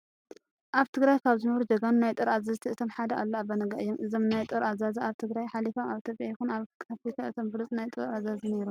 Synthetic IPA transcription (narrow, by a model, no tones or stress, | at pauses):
ʔaβt̪ʰɨɡɾajkʰaβzɨnɐβɾud͡ʒɐɡanunajt̪ʼɨɾazazt̪ʰiʔɨt̪ʰomħad̪ɐʔalːoaβɐnɐɡɐʔɨjːomʔɨzomnajt̪ʼɨɾʔazazɐaβt̪ʰɨɡɾajħalifomaβʔit̪ʰjopʼjajɪxunaβkʰʼafik̪ʰaʔɨt̪ʰombɨɾɨt͡sʼnajt̪ʼɨɾazazine̞ɾum